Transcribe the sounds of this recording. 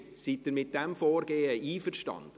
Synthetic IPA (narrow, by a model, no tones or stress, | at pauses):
sitːɪɾmɪt̚d̥ɛmfɔːɾɡ̥eːəʔiːfərʃtɑ̰nd̥ə